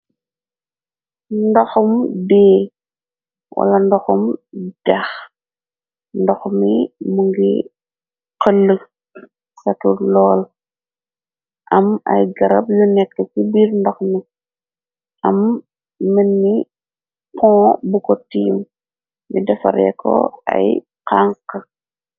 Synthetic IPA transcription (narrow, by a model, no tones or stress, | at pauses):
ndɔxɔmbɛː | wʔɐ̰lɐndɔxɔmd̥ɐx | ndɔxmimuŋɡi | qəlːə | sɐtulɔːl | ʔɐmɐ̰jɡɐɾɐb̚junɛkːəkubiɾndɔxmi | ʔɐmː | ənːi | kɔ̃ːbukɔtiːm | midɐfɐ̰ɾɛ̰kɔ̰ɐ̰j | qaŋkə